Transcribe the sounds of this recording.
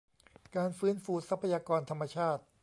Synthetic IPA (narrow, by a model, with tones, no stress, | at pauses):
kaː˧nfɯː˦˥nfuː˧sa˦˥pʰːa˧jaː˧kɔː˧nt̪ʰa˧mːa˧t͡ɕʰaː˥˩t̪̚